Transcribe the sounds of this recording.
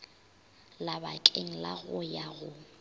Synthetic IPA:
labakʼeŋ̩la̰ɣʊjaɣʊ

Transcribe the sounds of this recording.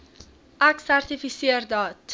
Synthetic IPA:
aksaɾt̪ifisieɾd̪ɒt̪

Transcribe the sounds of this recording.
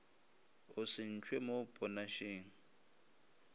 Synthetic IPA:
ʊsɪn̩t͡ʃʰʼwemopʼɔnaʃeːŋ̩

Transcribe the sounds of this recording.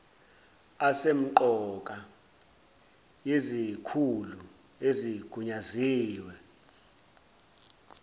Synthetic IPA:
asem̩ǃɔkʼa | jezikʰulu | eziɡ̥ʱuɲaziːwɛ

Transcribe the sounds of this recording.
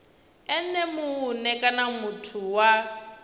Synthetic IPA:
ɛn̩nɛmʊːnɛkʼanamutʰuwa

